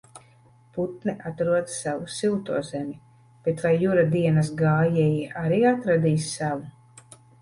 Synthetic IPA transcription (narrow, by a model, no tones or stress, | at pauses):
put̪̚nɛʔat̪ɾuɔd̪savusilˠt̪uɔzɛmʲi | b̥et̪vajːuɾad̪iɛnas̬ɡaːjɛjiʔaɾiːat̪ɾad̪iːssavu